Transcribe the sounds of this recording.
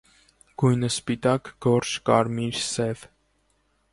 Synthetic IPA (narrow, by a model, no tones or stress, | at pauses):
ɡ̥ujnəspit̪ɑkɡɔɾt͡ʃʰkɑɾmiɾsɛv